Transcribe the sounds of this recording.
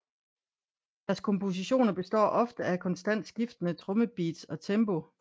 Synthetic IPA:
d̥æɐskʰɒ̽mpo̝s̬iɕo̝̰ːnɐb̥e̝sd̥ɒ̰ːʔɒ̽fd̥əækʰɒ̽nsd̥æn̰d̥sɡ̥ifd̥ənət͡sʰʁɔ̽məb̥ḭːd̥sɒ̽t͡sʰembo̝

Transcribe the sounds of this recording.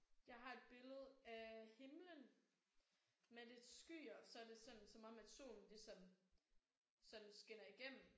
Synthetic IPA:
jɑ̈ɪɦɑ̈e̝d̥̚b̥e̝ləð̞̩ˠæhe̝mlən | mede̝d̥sɡ̥y̰ːɒsɒ̽æɐd̥e̝sɒ̽n̩sɒ̽mɒ̽mæd̥so̝̰ːln̩lisɒ̽m | sɒ̽nn̩sɡ̥enɐiɡ̥em̰m̩

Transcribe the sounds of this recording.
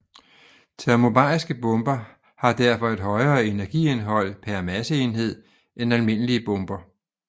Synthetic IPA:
t͡sʰæɐmo̝b̥ɑ̰̈isɡ̥əb̥ɔ̽mb̥ɐ | hɑ̈d̥æɐ̰fɒ̽e̝d̥ɦɒ̽ɪɐːe̝næɐɡ̥ḭe̝nɦɒ̽l̰pʰæɐmæsəe̝nɦe̝ð̞̰ˠ | ʔenælme̝n̰əliəb̥ɔ̽mb̥ɐ

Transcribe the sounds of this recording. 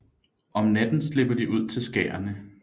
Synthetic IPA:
ʔɒ̽mnæd̥n̩sle̝b̥ɐd̥iʔuð̞̰ˠt͡sʰe̝lsɡ̥ɛ̰ːɐnə

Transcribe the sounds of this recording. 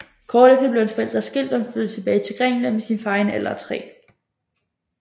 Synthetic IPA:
kʰɒːd̥efd̥ɐble̝ʊe̝nfɒel̰d̥ʁɐsɡ̥e̝l̰d̥ɒ̽mfyð̞ˠt͡sʰe̝b̥ɛːɪt͡sʰe̝lɡ̥ʁɛŋ̰nəmesiːnfɑ̈ːenel̰ɐɒt͡sʰʁɛ̰ː

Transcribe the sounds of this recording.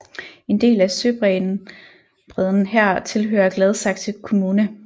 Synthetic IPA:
e̝nd̥e̝̰ːlæsø̰ːb̥ʁɛn | b̥ʁɛð̞ˠn̩ɦæɐ̰t͡sʰe̝lɦø̰ːɐɡ̥lɛð̞ˠsɑ̈ɡ̥̚t͡sʰekʰo̝muːnə

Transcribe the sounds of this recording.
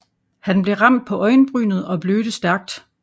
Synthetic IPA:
hænb̥le̝ʁɑ̈m̰d̥̚pʰɒ̽ʔɒ̽ɪnb̥ʁyːnð̩ˠɒ̽b̥løːɾ̥əsd̥æɐɡ̥̚d̥

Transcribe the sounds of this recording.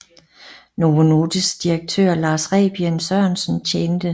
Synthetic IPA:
noono̝ːd̥əsd̥iʁɐɡ̥̚t͡sʰø̰ɐ̰lɑ̈ːsʁɛ̰ːb̥iensœɐ̰nsn̩t͡ɕʰend̥ə

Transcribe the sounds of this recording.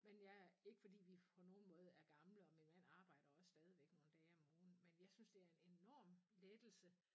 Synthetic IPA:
menjɑ̈ɪe̝ɡ̥fɒ̽d̥ḭːʋipʰɔ̽no̝ːn̩mɔ̽ːð̞̩ˠæɐɡ̥ɑ̈mləɒ̽minmæn̰ɑ̈ːb̥ɑ̈ɪ̰ɾ̥ɐɒ̽ssd̥ɛːð̞ˠiʋeɡ̥no̝ːn̩d̥ɛːɒmoːn̩menjɑ̈ɪsynsd̥e̝æɐe̝ne̝nɒ̰ːmled̥l̩sə

